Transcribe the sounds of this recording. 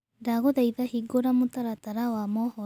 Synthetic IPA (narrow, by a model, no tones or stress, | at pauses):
daɣoðajðahiɡoɾamut̪aɾat̪aɾawamɔhɔ